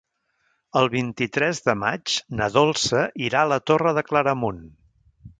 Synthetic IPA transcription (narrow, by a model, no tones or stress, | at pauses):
əlˠβint̪it̪ɾɛzðəmad͡ʒnəðolˠsəʔiɾaələt̪orəðəkləɾəmun